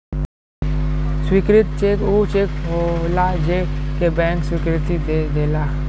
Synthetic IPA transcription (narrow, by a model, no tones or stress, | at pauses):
swikɾɪt̪t͡ʃek̪ut͡ʃekɦolad͡ʒekebɛ̃ːŋkswikɾɪt̪id̪ed̪ela